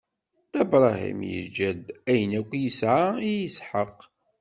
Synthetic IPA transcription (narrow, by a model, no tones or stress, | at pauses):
θæbɾˤɑhḭmjə̰d͡ʒːæd̪æjənækʷːjəsʕaijəsħəqː